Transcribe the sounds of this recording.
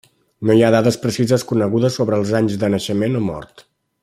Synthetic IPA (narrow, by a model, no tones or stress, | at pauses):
nojað̞aðəspɾəsizəskunəɣ̞uðəsːoβɾəːlˠzaɲzd̪ənəʃəmenomɔ̰ɾt̪